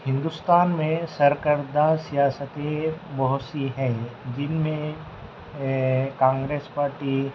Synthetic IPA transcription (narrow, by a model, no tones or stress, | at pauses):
hɪ̃nd̪ʊst̪aːnmẽsɐɾkəɾd̪asijaːsət̪ẽbɔɦʊt̪siɦɛ̃d͡ʒɪnmẽ | kãːŋɡɾeːspaːɾʈi